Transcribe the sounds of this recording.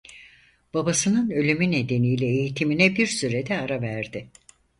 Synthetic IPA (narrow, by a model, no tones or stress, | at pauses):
b̥abasɯnɯnø̞lʲymyne̞d̪e̞nijlʲɛejit̪ʰiminɛbiɾsyɾed̪ɛaɾavæɾd̪ɪ